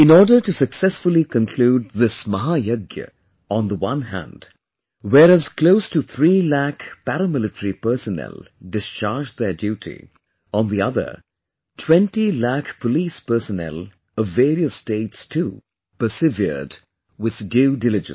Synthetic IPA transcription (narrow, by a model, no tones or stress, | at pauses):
ɪ̃nɔːɹdə˞tɨsəksɛsfʊlˠikə̃nkʰl̥uːd̚ðɪsməɦajoɡjə̰ | ə̃nðəwʌ̃nɦæ̰̃nd̥ | wɛːɾæz̥kloʊstuθʰɹiːlækpæɾəmɪlɨtəɾipə˞sənɛ̰lˠdɪst͡ʃɑɹd͡ʒðədjuːɾʰḭ | ə̃nðiʌðə̰˞ | tʰw̥ɛ̃ntilækpʰəliːspə˞sənɛ̰lˠ | ʌvːeːɾiəsteɪtstʰu | pə˞sɪvə̰d | wɪð̥djuːdɪlɪd͡ʒə̰̃n